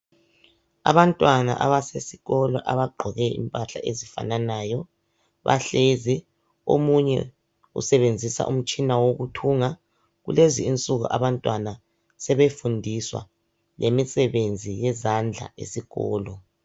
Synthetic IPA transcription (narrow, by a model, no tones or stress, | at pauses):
a̰βantʼwana̰ʔaβasesiɣɔlɔʔaβaɡ͡ǃʱɔɣɛḭmpʼaɬa̰ʔezifa̰nanajɔ | βa̰ɬezɛ | o̰muɲɛ̰ | ṵsɛβend͡zʱisa̰ʔum̩t͡ʃʼinawoɣutʰuːŋa | ɣṵleziint͡sʼuɣṵʔaβantʼwana | sɛβefundʱiswa̰ | lemisɛβend͡zʱijɛzand͡ɮʱa̰ḛsiɣɔ̰ːlɔ